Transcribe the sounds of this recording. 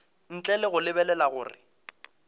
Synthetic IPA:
n̩t͡ɬʼɛlɪɣʊlɪbɛlɛlaɣʊ̰ːrɪ̰

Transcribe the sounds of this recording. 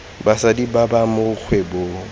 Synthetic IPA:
basadibabamok͡xʰwebo

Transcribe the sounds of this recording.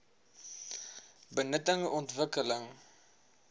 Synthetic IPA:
bənətəŋɔntvəkələŋ

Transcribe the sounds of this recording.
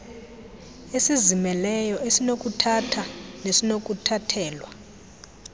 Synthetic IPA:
esizimɛlɛjɔʔesinok̬ʼutʰatʰanesinok̬ʼutʰatʰɛːlwa

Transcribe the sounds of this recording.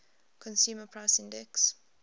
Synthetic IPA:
kʰɔ̃nsjuːməpʰɹaɪsɪ̃ndɛks

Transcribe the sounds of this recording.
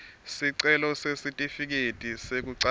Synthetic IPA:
siǀɛlɔsesitʼifik̬etʼisek̬uǀa

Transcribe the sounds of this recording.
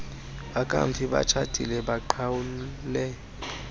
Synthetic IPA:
ɓakʼa̰ɱfiɓa̰t͡ʃʰatʼḭlɛɓaǃʰawulɛ

